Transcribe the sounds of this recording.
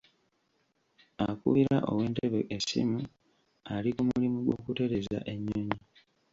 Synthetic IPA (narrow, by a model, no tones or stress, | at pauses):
akṵβiɾaʔo̞̰we̞ːnte̞βeʔesḭmu | alikumulimuɡwo̞kute̞ɾe̞za̰ʔe̞ɲːoɲi